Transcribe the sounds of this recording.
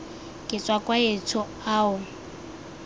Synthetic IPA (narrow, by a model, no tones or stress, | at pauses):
kʼɪt͡sʼwakʼwaet͡sʰʊ | aːʊ